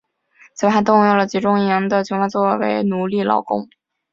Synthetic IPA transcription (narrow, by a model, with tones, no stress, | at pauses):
t͡sɤ˥˩xa˧˥t̪̬ʊ˥˧ŋjo˥˩lə˩t͡ɕi˧˥ʈ͡ʂʊ˥ŋi˥˧˩jɑ˧˥ŋd̪ə˧t͡ɕʰo˧˥xa˥nt͡swɔ˥˩wḛ˧˥ɪnu˨˧˥li˥˩lɑ̰˨˩ʊkʊ̰˥ŋ